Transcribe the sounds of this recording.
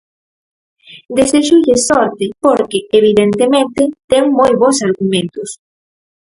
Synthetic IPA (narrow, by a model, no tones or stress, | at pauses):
d̪eseʃuʎesɔɾt̪ɪpoɾkeeβiðent̪emẽnt̪ɪt̪ɛŋmojβosaɾɣumẽnt̪ʊs